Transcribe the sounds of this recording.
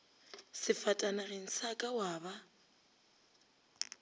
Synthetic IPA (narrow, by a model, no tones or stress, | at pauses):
sɪfatʼanarɪn̩sakʼawaːβa